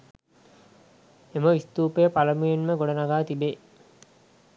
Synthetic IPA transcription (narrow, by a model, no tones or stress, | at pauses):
eməʋist̪uːpəjəpaləmujenməɡoɽənaɡaːt̪ibe